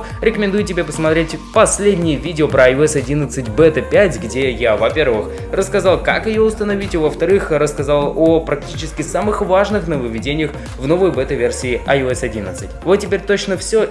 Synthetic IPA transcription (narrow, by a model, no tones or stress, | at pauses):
ɾʲɪkəmʲɪnd̪ujɪtʲɪbʲepəsmɐt̪ɾʲetʲpɐsʲlʲedʲnʲɪjəvʲidʲɪopɾəɐjʊɛsɐdʲinət̪sɨtʲbɛt̪əpʲætʲɡdʲejavɐpʲe̞rvɨx | rəskɐzɑlˠkakjɪjoʊst̪ənɐvʲitʲovəft̪ɐɾɨxrəskɐzalˠopɾɐk̚tʲit͡ɕɪskʲɪsamɨxvaʐnɨxnəvəvʲɪdʲenʲɪjəx | vno̞vəjbɛt̪əvʲersʲɪːɐjʊɛsɐdʲinət̪sɨtʲvot̪tʲːɪpʲeɾʲt̪ot͡ɕnəfsʲɵ